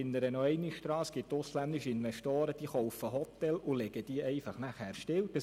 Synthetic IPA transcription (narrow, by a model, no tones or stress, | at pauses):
ɪnəɾənɔɛɪniʃt̪ɾɑːsɡ̥ɪttːʊslænd̪ɪʃəɪnʋɛʃtoːɾəd̥iːχɔwfəɦɔt̪ɛlʊlɛɡəd̥iəʔɛɪfɑχnæχhæːɾʃtɪld̥ɑ